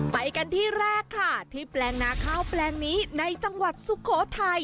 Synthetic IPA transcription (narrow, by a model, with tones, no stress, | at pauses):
pa˧jka˧nt̪ʰiː˥˩ɾɛː˥˩kʰːa˥˩t̪ʰiː˥˩plɛː˧ŋnaː˦˥kʰaː˥˩wplɛː˧ŋniː˦˥na˧jt͡ɕa˧ŋwa˨˩t̪̚su˨˦kʰoː˩˦t̪ʰa˧j